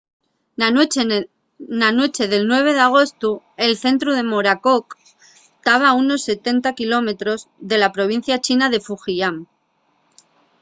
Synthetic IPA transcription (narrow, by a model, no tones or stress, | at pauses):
nanwe̞t͡ʃe̞ðe̞lnwe̞β̞e̞ðeaɣ̞o̞st̪u | e̞lθe̞nt̪ɾuð̞e̞mo̞ɾakok | t̪aβ̞auno̞sːe̞t̪e̞nt̪akilo̞me̞t̪ɾo̞zðe̞lapɾo̞β̞in̟θjat͡ʃinaðe̞fuxiam